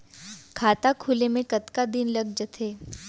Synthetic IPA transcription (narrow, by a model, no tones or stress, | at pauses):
kʰaːt̪akʰuːlemẽkɐt̪kad̪ɪnlɐɡd͡ʒət̪ʰeː